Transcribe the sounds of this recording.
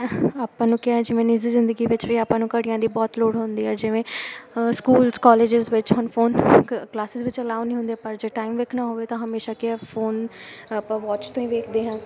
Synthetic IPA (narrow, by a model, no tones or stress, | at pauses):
aːpãːnũːkːɛ̃ːd͡ʒɪʋẽːnɪzizɪ̃nd̪əɡiːʋɪt͡ʃʋiaːpãːnũːkəɽijãːd̪iːbɔːt̪loːɽɦʊnd̪iːɦɛːd͡ʒɪʋẽːskuːlskɔːleːd͡ʒɪzʋɪt͡ʃɦɔːnfʰoːnklaːsɪzʋɪt͡ʃəlaːʊniːɦʊ̃nd̪eːpəɾd͡ʒeːʈaːimʋeːkʰnãːɦoːʋeːt̪ãːɦəmeːʃaːkɪɛfʰoːnpãːʋɔːt͡ʃt̪õːĩːʋeːkʰd̪eːɦãː